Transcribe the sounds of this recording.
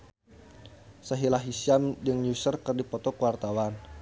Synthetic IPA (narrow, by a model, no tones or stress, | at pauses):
səɦilaɦisiamdəŋɲusərkɨrdipɔt̪ɔkəwart̪awan